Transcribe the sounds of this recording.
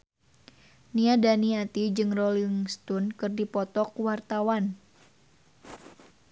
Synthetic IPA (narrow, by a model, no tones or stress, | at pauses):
niadaniat̪id͡ʒɨŋrɔliŋst̪unkɨrdipɔt̪ɔkwart̪awan